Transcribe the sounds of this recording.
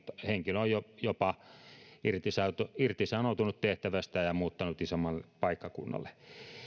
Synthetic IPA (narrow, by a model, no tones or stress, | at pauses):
t̪heŋkiløojojopɑ | irt̪isɑt̪uirt̪isɑnot̪unut̪t̪eht̪æʋæst̪æjɑmuːt̪ːɑnut̪isomːɑlːepɑikːɑkṵnːɑ̰lːˑe̥